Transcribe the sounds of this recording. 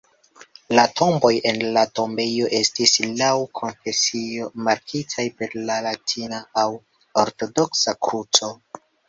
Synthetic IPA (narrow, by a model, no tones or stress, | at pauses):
latʰo̞mbo̞je̞nlato̞mbe̞jo̞ʔe̞stislawkʰo̞nfe̞sio̞maɾkʰitʰajpe̞ɾlalatʰinaaw | oɾto̞do̞ksakɾut͡so̞